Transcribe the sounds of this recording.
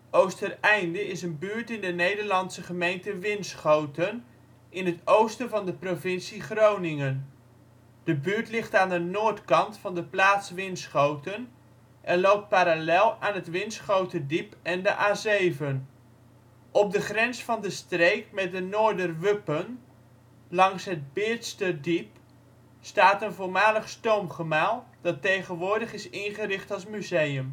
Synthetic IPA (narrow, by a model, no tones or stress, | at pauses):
owstərɛjndəɪsənbyːɹtɪndənejdəɹlɑnsəχəmejntəʋɪnsχowtən | ɪnɦətowstəvɑndəprovɪnsiχrownɪŋən | d̥əbyːɹtlɪχtaːndənoːɹtkɑntfɑndəplaːtsʋɪnsχowtən | ʔɛnlowp̚t̚paːɾalɛlˠaːnɦətʋɪnsχowtədipɛndəʔaːzejvən | ʔɔp̚dəχrɛnsfɑndəstrejkmɛt̚dənʊːɹdərʋɵpən | lɑŋsɦəd̚bɪɹtstədip | staːtənvʊːɹmaːləχstowmχəmaːlˠd̥ɑtːejχənʋʊːɹdəχɪsɪnχərɪχtɑlˠsmyzejəm